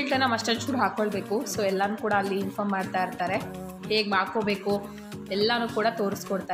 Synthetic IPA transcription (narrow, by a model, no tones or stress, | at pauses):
ʈɾɐnːamɐsʈɐt͡ʃuɽɦaːkoɭbeːkusoːɛlːanuːkuːɽaːlːiːnfʰɐmːaːɽt̪aːjiɾt̪aːɾe̞ | heːɡmaːɽkoːbe̞ːku | ɛlːanuːkuːɽat̪oːɾiskɔɽt̪a